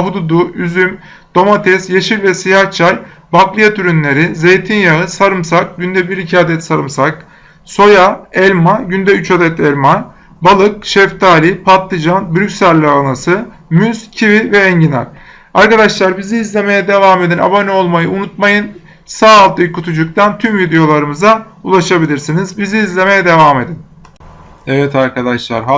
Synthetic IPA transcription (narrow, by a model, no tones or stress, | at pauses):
ɦud̪ud̪uyzym | d̪̥o̞mat̪ʰɛsjeʃilvɛsijaht͡ʃʰalʲ | baklˠɯjat̪ʰyɾynlʲe̞ɾize̞jt̪ʰinjaɯsaɾɯmsak̚ɟynd̪ɛbiɾicʰaːd̪ɛt̪saɾɯmsak | so̞jaɛlʲmaɟynd̪ɛyt͡ʃad̪ɛt̪ʰɛlʲma | balˠɯk̚ʃɛft̪ʰaːlʲipʰat̪lɯd͡ʒanbyɾycsælʲːɛanasɯ | myz̥cʰivivɛːɲɟinæ̰ɾ̥ | aɾkad̪aʃlˠaɾbiziːzlʲe̞me̞jɛd̪e̞vaːme̞d̪ina̰manɛolˠmajɯunut̪̚majɯn | saːlˠt̪ʰɯjkʰut̪ʰud͡ʒuk̚t̪ʰant̪ʰymvid̪ejo̞lˠaɾɯmɯza | ulˠaʃabilʲiɾsinizbiziːzlʲe̞me̞jɛd̪e̞vaːme̞d̪in | evɛt̪ʰaɾkʰad̪aʃlˠa̰ɾɦa